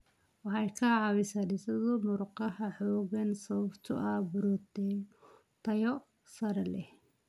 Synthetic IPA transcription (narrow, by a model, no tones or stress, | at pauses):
wɑħɑjkʰɐʕɑβɪsɐnɪsɐðʊmʊɾqɑhɐħɔːɣɐnsɔbt̪ʰʊ̰ʔɐbʊɾɔd̪ɛ | t̪ʰɐjɔ | sɐɾɐlɛh